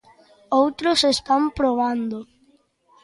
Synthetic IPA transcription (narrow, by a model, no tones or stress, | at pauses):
owt̪ɾʊsest̪ampɾoβ̞and̪ʊ